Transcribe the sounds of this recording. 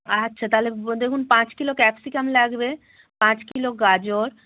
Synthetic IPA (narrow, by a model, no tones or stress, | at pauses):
ɐtːʃʰat̪aled̪ekʰunpãt͡ɕkilokɛpsikamlaɡbe | pãt͡ɕkiloɡad͡ʑoɾ